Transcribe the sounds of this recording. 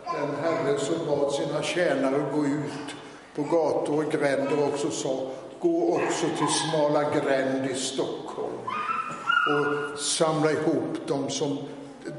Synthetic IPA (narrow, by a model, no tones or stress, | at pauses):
d̪̥ɛnɦɛɾəsɔmbɑːd̪siːnaɕɛːnaɾəɡoːʉ̟ːt̪ | pʰɔɡɑːt̪ʊɾɔɡɾɛnd̪əɾɔksɔsɑː | ɡ̥oːɔksɔt̪ʰɪlsmɑːlaɡɾɛnd̪ɪst̪ɔkhɔ̰lm | ɔsamlaɪhuːpːd̪ɔmsɔm